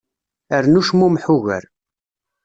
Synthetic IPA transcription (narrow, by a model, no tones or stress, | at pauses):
əɾnuʃmumħuɣə̰ɾ